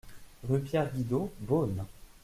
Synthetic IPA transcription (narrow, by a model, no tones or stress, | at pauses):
ʁypjɛʁɡʲid̪obon